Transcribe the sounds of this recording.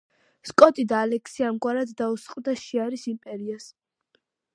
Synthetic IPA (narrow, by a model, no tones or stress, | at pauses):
skʼɔt̪ʼid̪aːlɛkʰsiamɡwaɾad̪ːausqʼvd̪aʃiaɾisimpʼɛɾias